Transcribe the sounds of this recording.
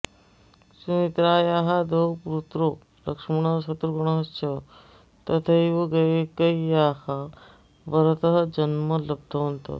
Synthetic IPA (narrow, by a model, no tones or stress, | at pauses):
sumit̪ɾaːjaːɦad̪ʱowpuɾut̪ɾoː | lɐkʂmɐɳ̃ɐsɐt̪ɾuɡɐɽ̃ɐɦɐst͡ʃʰɐ | t̪ɐt̪ʰɐiʋɐɡɐjekɐijaːha | ʋɐɾɐt̪ɐɦɐd͡ʒɐnmɐlɐb̚d̪ʱɐʋɐnt̪o̰